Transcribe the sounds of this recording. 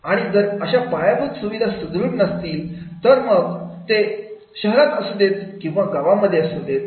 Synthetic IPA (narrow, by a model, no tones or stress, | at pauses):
aɽ̃id͡zəɾəɕapajabut̪suʋid̪ʱasud̪ɾuːɽnəst̪iːlt̪əɾməɡt̪e | ɕəɦɾat̪əsud̪ʱet̪kĩw̃ʋaɡaʋaməd̪ʱːjeəsud̪ʱet̪̚